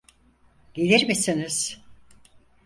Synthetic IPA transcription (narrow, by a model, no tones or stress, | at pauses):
ɟelʲiɾmisiniz̥